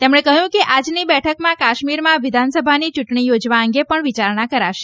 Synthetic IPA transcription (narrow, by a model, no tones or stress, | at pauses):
t̪emɳ̃ẽkəɦjũkeʔad͡ʒnibɛʈʰəkmãkaʃmiɾmãʋɪd̪ʱansəbʱanit͡ʃʊʈɳijod͡ʒʋaəŋɡepəɳʋit͡ʃaɾɳakəɾaʃe̥